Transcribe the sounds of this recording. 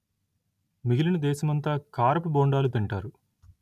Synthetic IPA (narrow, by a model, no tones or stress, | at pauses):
miɡilinɐd̪ɛːsɐmɐnt̪aːkaːɾɐpuboːɳɖaːlut̪iɳʈaːɾu